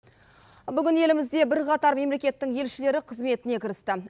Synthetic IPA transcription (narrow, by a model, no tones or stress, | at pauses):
bʏɡʲɪnje̞lɪmɪzd̪e̞bɪɾqʰɑt̪ɑɾme̞mle̞kʲe̞t̪ːɪŋje̞lʃɪle̞ɾɪqʰəzme̞t̪ɪne̞kʲɪɾɪst̪ɪ